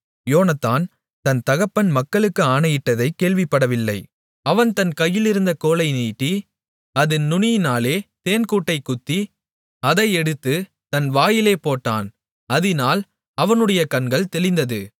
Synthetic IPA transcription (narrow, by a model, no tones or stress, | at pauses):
joːnɐt̪ːaːn | t̪ɐnt̪ɐɣɐpːɐnmɐkːɐɭɯkːɯaːnɐjɪʈːɐðɐɪkːeːɭʋɪpːɐɽɐʋɪlːɐɪ | ɐʋɐnt̪ɐnkɐjːɪlɪɾɯnd̪ɐkoːlɐɪniːʈːi | ɐðɯnnʊɳɪjɪnaːleːt̪eːnkuːʈːɐɪkːʊt̪ːi | ɐðɐɪɛɽɯt̪ːɯ | t̪ɐnʋaːjɪleːpoːʈːa̰ːn | ɐðɪnaːl | ɐʋɐnɯɽɐjɐkɐnɡɐɭt̪ɛlɪnd̪ɐðɯ